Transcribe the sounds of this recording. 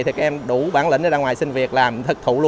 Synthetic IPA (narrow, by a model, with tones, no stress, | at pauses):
t̪ʰi˨˩kaː˦k̚ʔɛ˧ɗu˧˩ɓaː˧˩nlḭ̈˧˨˦ŋʔəː˧aː˧ŋwaː˨˩jsï˧ŋ̟vi˨˩ət̚laː˨˩mt̪ʰɨ˨˦˥k̚t̪ʰṵ˧˩lu˧